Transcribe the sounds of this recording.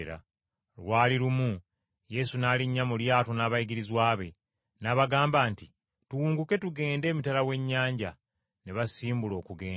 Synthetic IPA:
ɾa̰ | lwaːliɾumu | je̞sunaːliɲːamuljaːto̞naːβajiɡiɾizwaːβe̞ | naβaɡaːmbaːnti | tuwuːŋɡuke̞tuɡe̞ːnde̞ːmitalawe̞ɲːaːɲɟa | neβasiːmbulo̞ːkuɡe̞ːn

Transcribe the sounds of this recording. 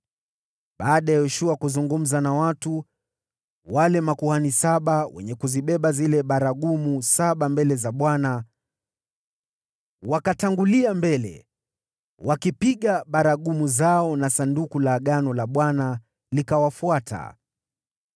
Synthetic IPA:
ɓaːɗajajɔʃuakuzuŋɡum̩zanawatu | walɛmakuhanisaɓawɛ̰ɲɛkuziɓɛɓazilɛɓaɾaɠumusaɓambɛlɛzaɓwana | wakataŋɡuliambɛlɛ̰ | wakipiɠaɓaɾaɠumuzaɔnasandukulaːɠanɔlaɓwana | likawafuatʰa̰

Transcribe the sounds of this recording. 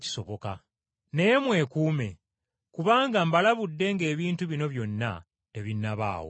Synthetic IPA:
ci̥so̞βo̞ka | ne̞jemwe̞ːkuːme̞ | kuβaːŋɡambalaβudːe̞ŋɡe̞ːβiːntuβino̞βjo̞nːa̰ | te̞βinːaβa̰ːwo̰

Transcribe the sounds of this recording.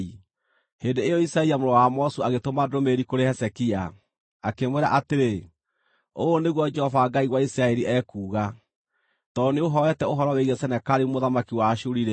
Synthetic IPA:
i | hendeejɔisɾaɛiamoɾɔwamɔsuaɣetomadomeɾikoɾehɛsɛkia | akemweɾa̰ʔateɾe | oːneɣwɔd͡ʒɛhɔvaɡaiɣwaisɾaɛɾiʔɛkuːɣa | tɔneoɦɔwɛtɛoɦɔɾɔweɣɛsɛnɛkaɾimoðamakiwaʃuɾiɾe

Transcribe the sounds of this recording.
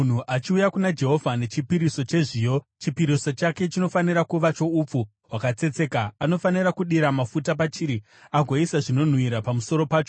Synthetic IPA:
n̤uʔat͡ʃiujakunad͡ʒe̞ɦo̞vʱane̞t͡ʃipiɾiso̞t͡ʃe̞ʐiːjo̞ | t͡ʃipiɾiso̞t͡ʃake̞t͡ʃino̞faniɾakuʋat͡ʃo̞up͡fu | ɦwakat͡se̞t͡se̞kaːno̞fanirakuɗiɾamafutapat͡ʃiːɾi | aɡʱo̞isaʐino̞n̤wiɾapamuso̞ɾo̞paːt͡ʃo̞

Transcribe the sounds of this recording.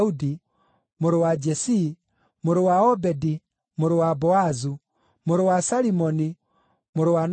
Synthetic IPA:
udi | moɾowad͡ʒɛsi | moɾowaɔbɛdi | moɾowabɔazu | moɾowasaɾimɔni | moɾowan

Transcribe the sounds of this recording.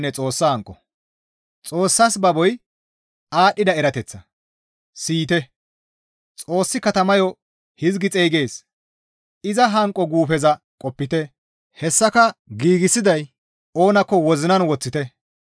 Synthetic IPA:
nːɛt͡sʼo̞ːsːɐhɐŋkʼːɔ | t͡sʼo̞ːsːɐsbɐbɔj | aːɗːɪd̪ɐɛɾɐt̪ɛt͡sːɐ | siːt̪ɛ | t͡sʼo̞ːsːɪkɐt̪ɐmɐjɔ | hɪzɡɪt͡sʼejɡe̞ːs | ɪzɐɦɐŋkʼːɔɡuːfɛzɐ | kʼɔpːɪt̪ɛ | hɛsːɐkɐɡiːɡɪsɪd̪ɐj | o̞ːnɐkːɔwɔzɪnɐnwɔt͡sːɪt̪ɛ

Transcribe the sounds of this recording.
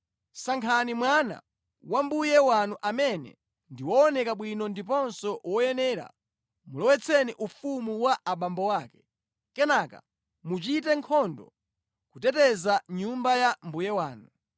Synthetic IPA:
saŋkʰanimwana̰ | wambujɛwanuʔamɛnɛ̰ | ndiwɔːnɛkaɓwinɔndipɔnsɔwɔjɛnɛːɾa̰ | mulɔwɛt͡sʰɛniʔufumuwaʔaɓambɔwaːkɛ̥ | kɛnaka̰ | mut͡ʃitɛŋkʰɔndɔ | kutɛtɛzaɲumbajambujɛwaːnu

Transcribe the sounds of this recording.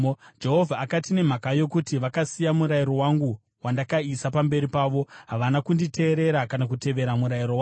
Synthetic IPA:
d͡ʒe̞ɦovʱaːkatine̞m̤akajo̞kutiʋakasijamuɾajiɾo̞waŋɡu | wandakaisapambe̞ɾipaːʋo̞ɦaʋanakundite̞ːɾe̞ɾakanak̬ute̞ʋe̞ɾamuɾairowa

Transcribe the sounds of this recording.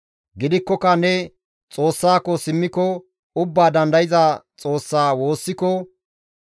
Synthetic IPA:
ɡɪd̪ɪkːɔkɐnɛ | t͡sʼoːsːaːkːɔsɪmːɪkɔ | ʊbːaːd̪ɐnd̪ɐjɪzat͡sʼo̞ːsːaːwo̞ːsːɪkːɔ

